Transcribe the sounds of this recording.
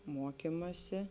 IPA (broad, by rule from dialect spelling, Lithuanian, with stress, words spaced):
ˈmuɔkʲɪmɐsʲɪ